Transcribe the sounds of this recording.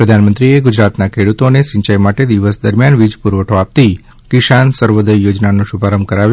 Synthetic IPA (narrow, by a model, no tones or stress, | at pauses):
pɾəd̪ʱanmənt̪ɾieɡud͡ʒɾat̪nakʰeɽut̪onesɪ̃ɲt͡ʃəjmaʈed̪iʋəsd̪əɾmjanʋid͡ʒpuɾʋəʈʰoap̚t̪i | kɪʃansəɾʋod̪əjːod͡ʒnanũʃubʱaɾəmb̚kəɾaʋjũ